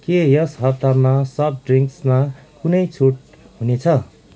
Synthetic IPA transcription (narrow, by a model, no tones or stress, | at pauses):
kejʌsɦʌt̚t̪armasʌb̚ɖriŋksmakunʌjt͡sʰoʈ̚ | ɦunet͡sʰʌ